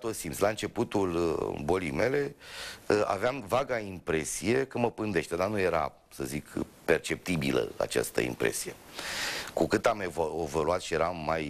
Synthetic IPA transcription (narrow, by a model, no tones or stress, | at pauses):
t̪ot̪simtslaɨnt͡ʃe̞put̪ulbo̞lijme̞le̞ | a̰veamvaɡaimpɾe̞sije̞kəməpɨnd̪eʃt̪e̞d̪anuje̞ɾa̰ | səzikpe̞rt͡ʃe̞p̚t̪ibilə̰a̰t͡ʃa̰st̪ə̰ḭmpɾe̞̰si̥je̞ | kukɨt̪amevoevoluat̪ʃije̞ɾamːaj